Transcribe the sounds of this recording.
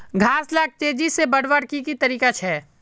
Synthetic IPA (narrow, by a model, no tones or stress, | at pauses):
ɡʱaːslaːk̚t̪eːd͡ʒisebəɽʋəɽkikit̪ɐɾiːkat͡ʃʰɛː